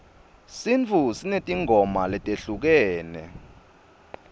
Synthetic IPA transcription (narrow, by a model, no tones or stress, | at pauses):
sint͡fʰusinetʼiŋʱɔmalɛtʼeɬuk̬ɛːnɛ̰